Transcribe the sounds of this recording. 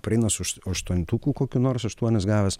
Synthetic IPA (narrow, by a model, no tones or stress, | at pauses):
pʲɾʲɛɪnɐsʊʃɐʃt̪uɔnʲt̪uːkuːkoːkʲuːnoːrsɐʃt̪uɔnʲɛsɡɑːʋʲɛs